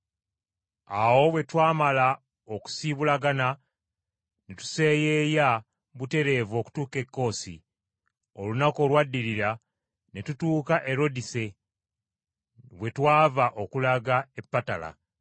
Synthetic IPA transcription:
awo̞βwe̞twaːmala | oku̥siβulaɡana | netu̥se̞jeːja | βute̞ɾe̞ːvo̞ːku̥tuːke̞kːo̞ːsḭ | o̞lunako̞lwadːiɾiɾa | netutuːkaʔe̞ɾo̞dise̞ | βwe̞twaːvaʔo̞kulaɡae̞pːatala̰

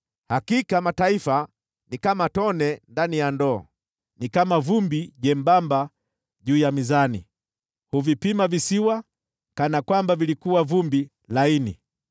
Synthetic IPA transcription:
hakikamataifa | nikamatɔnɛndanijandɔ̰ː | nikamavumbiʄɛmbamba | ʄuːjamizanḭ | huvipimavisiwa | kanakwambavilikuwavumbi | laini

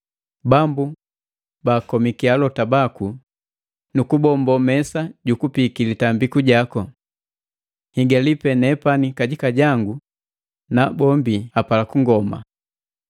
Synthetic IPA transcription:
bambu | baːkɔmikialɔtabaku | nukubɔmbɔmɛsaɟukupikilitambikuɟakɔ | hiɡalipɛnɛpanikaɟikaɟaŋɡu | nabɔmbiapalakuŋɡɔma̰

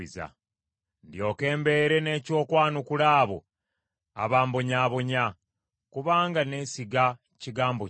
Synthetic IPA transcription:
iza̰ | ndjo̞ːke̞ːmbe̞ɾe̞ne̞ːco̞ːkwaːnukulaːβo̰ | a̰βaːmbo̞ɲaːβo̞ɲa | kuβaːŋɡane̞siɡa | ciɡaːmbo

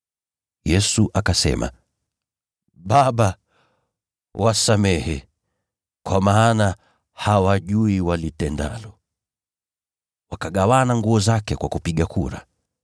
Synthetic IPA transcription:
jɛsuʔakasɛ̰ma̰ | ɓaɓa | wʔasamɛhɛ | kwamaːna | hawaʄuiwalitɛnda̰lɔ | wakaɠawanaŋɡuɔzakɛkwakupiɠakuɾa̰

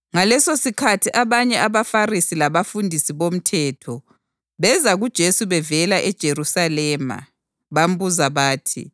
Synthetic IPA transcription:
ŋalɛsosikʰatʰiʔaβaɲɛaβafarisilaβafundʱisiβom̩tʰɛːtʰɔ | βɛzaɣud̥ʒ̥ʱesuβɛvɛlaʔɛd̥ʒ̥ʱerusalɛma̰ | βam̩buzaβaːtʰḭ

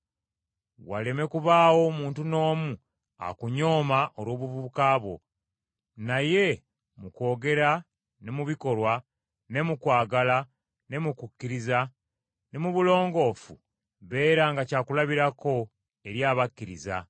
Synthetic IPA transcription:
wa̰le̞me̞kuβaːwo̞ːmuːntuno̞ːmu | a̰kuɲo̞ːmaʔoɾo̞ːβuvukaːβwo̞̰ | naje̞ | muko̞ːɡe̞ɾa | nemuβiko̞lwa | ne̞mukwaːɡala | ne̞mukukːiɾiza | ne̞muβulo̞ːŋɡo̞fṵ | βe̞ːɾaŋɡacaːkulaβiɾako̞ | e̞ɾjaːβakːiɾḭza̰

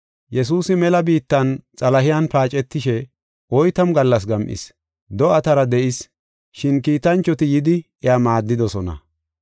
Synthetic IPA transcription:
jɛs̬uːsɪmɛlɐbiːt̪ːɐnt͡sʼɐlɐɦɪjɐnpaːt͡ʃʼɛt̪ːɪʃɛ | ʔɔjt̪ɐmɡɐlːɐs̬ɡɐmʔɪ̰s | d̪ɔɐt̪ɐɾɐd̪ɛʔɪs | ʃɪnkiːt̪ɐnt͡ʃːɔt̪ɪjɪd̪ɪ | ɛjamaːd̪ːɪd̪ɔsɔnɐ̰

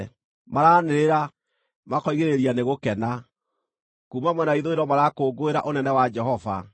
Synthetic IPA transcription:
maɾaneɾeɾa | makɔiɣeɾeɾianeɣokɛna | kuːmamwɛnaiðoeɾɔmaɾakoːɡoeɾa̰ʔonɛnɛwad͡ʒɛɦɔva̰

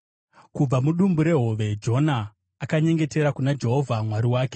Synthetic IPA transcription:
kub͡vamuɗumbuɾe̞ɦo̞ʋe̞d͡ʒo̞naː | kaɲe̞ŋɡe̞te̞ɾakunad͡ʒe̞ɦo̞vʱamwaɾiwaːke̥

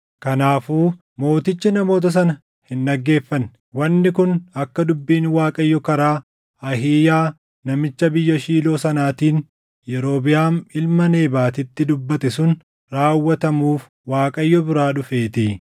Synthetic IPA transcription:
kɐnaːfuː | mo̞ːt̪ɪt͡ʃːɪnɐmo̞ːt̪̬ɐs̬ɐnɐ | hɪnːɐɡːe̞ːfːɐn | wɐnːɪkʊnɐkːɐd̪ʊbːiːnwaːkʼɐjːɔkɐɾaː | ɐɦiːjaː | nɐmɪt͡ʃːɐbɪjːɐʃiːlo̞ːsɐnaːt̪iːn | jɛɾo̞ːbɪjaːmɪlmɐne̞ːbaːt̪ɪt̪ːɪd̪ʊbːɐt̪ɛsʊn | ɾaːwːɐt̪ɐmuːf | waːkʼɐjːɔbɪɾaːᶑʊfe̞ːt̪ɪ

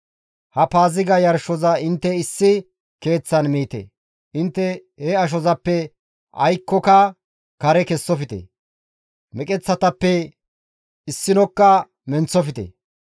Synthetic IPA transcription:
hɐpaːzɪɡɐjɐɾʃɔzɐɪnt̪ːɛɪsːɪ | ke̞ːt͡sːɐnmiːt̪ḛ | ʔɪnt̪ːɛ | hɛɐʃ̬ɔzɐpːɛ | ʔɐ̰jkːɔkɐ | kɐɾɛkɛsːɔfɪt̪ḛ | mɛkʼɛt͡sːɐt̪ɐpːɛ | ɪsːɪnɔkːɐ | mɛnt͡sːɔfɪt̪ḛ

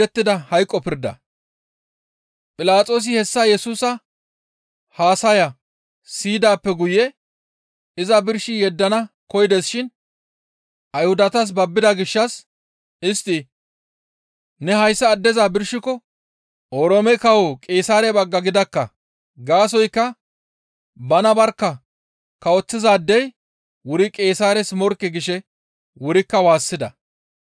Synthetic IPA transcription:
ɛt̪ːɪd̪ɐhɐjkʼːɔpɪɾd̪ɐ̰ | pʼɪlaːt͡sʼo̞ːs̬ɪhɛsːɐjɛsuːsɐ | haːsɐjɐ | siːd̪aːpːɛɡʊjɛ | ɪzɐbɪɾʃɪjɛd̪ːɐnɐ | kɔjɪd̪esʃɪn | ʔɐjhʊd̪ɐt̪ɐs̬bɐbːɪd̪ɐɡɪʃːɐs | ɪst̪ːɪ | nɛɦɐjsːɐːd̪ːɛzaːbɪɾʃɪkɔ | ʔɔɾɔmɛkɐwɔkʼeːsaːɾɛbɐɡːɐɡɪd̪ɐkːɐ | ɡaːs̬ɔjkːɐ | bɐnɐbɐɾkːɐ | kɐwɔt͡sːɪzaːd̪ːɛj | wʊɾɪkʼeːsaːɾɛsmɔɾkːɪɡɪʃɛ | wʊɾɪkːɐwaːsːɪd̪ɐ

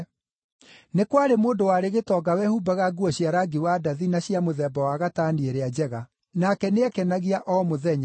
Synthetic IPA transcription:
nekwaɾemoːndowaɾeɣetɔːɡawɛhubaɣaɡuɔɕjaɾaɡiwadaðinaɕjamoðɛbɔwaɣataːnieɾead͡ʑɛɣa | nakɛneɛkɛnaɣiaʔɔmoðɛɲa

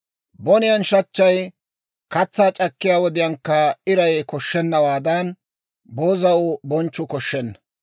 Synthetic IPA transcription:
bɔnɪjɐnʃɐt͡ʃːɐj | kɐt͡sːaːt͡ʃʼɐkːɪjaːwɔd̪ɪjɐŋkːɐɪɾɐjkɔʃːɛnːɐwaːd̪ɐn | bo̞ːzɐʊbɔnt͡ʃːʊkɔʃːɛnːɐ

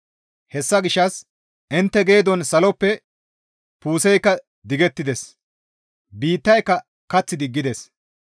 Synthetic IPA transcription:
hɛsːɐɡɪʃːɐs | ʔɪnt̪ːɛɡe̞ːd̪ɔnsɐlɔpːɛ | puːsɛjkːɐ | d̪ɪɡɛt̪ːɪd̪ɛs | biːt̪ːɐjkːɐ | kɐt͡sːɪd̪ɪɡːɪd̪ɛs

